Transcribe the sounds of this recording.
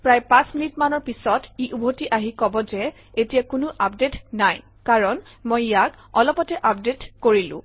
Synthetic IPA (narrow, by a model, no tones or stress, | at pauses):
pɹajpãsminitmanɔɹpisɔtiʔubʱotiʔaɦikɔbɔzɛ | etijakʊnʊʔapdetnaj | kaɹɔn | mojjak | ɔlɔpɔtɛʔap̚detkoɹilʊ̰̃